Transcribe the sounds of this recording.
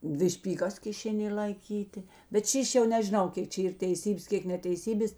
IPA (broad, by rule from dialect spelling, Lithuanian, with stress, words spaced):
ˈdʲʋʲɪ ʃʲpʲiːˈɡɐs kʲɪˈʃʲeːˌnʲeː lˠɐɪˈkʲiːtʲeː bʲɛt ˈʃʲiːʃʲ jɛʊ nʲɛʒʲɪˈnɐʊ ˈkʲeːk t͡ʃʲɛ ˈiːr tʲɛɪˈsʲiːbʲeːs ˈkʲeːk nʲɛtʲɛɪˈsʲiːbʲeːs